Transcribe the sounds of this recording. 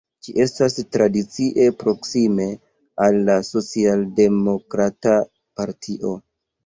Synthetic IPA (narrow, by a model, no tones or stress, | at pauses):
d͡ʒiʔe̞stastɾadit͡siʔe̞pɾo̞ksime̞ | alːaso̞t͡sialde̞mo̞kɾata | paɾtʰiʔo̞